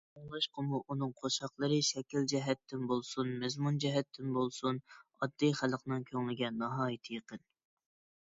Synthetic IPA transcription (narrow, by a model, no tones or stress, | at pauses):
oŋlˠɑʃqəmuʔunɨŋqʰoʃɑχlˠəɾɨʃɛkʲild͡ʒɛɦɛt̪ːɪnbolˠsunmɛzmund͡ʒɛɦɛt̪ʰːɪnbolˠsunɑd̪ːijχælˠəqnɨŋkʲʰøŋlɪɡʲɛnɑɦɑːjit̪ʰɨjəqən